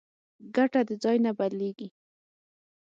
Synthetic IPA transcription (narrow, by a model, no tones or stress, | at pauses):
ɡaʈad̪əd͡zɑjnabaleɡi